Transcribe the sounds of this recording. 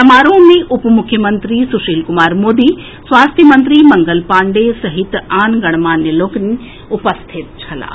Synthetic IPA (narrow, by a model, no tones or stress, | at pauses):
t̪ɐmaːɾõːmẽʔʊpmʊkʰjəmɐ̃nt̪ɾisʊʃiːlkʊmaːɾmoːd̪iː | sʋaːst̪ʰjəmɐ̃nt̪ɾimɐ̃ŋɡəlpãːɳɖesɐɦɪt̪aːnɡɐɽ̃maːnːeloːkn | ʊpəst̪ʰɪt̪̚t͡ʃʰɐla̰ː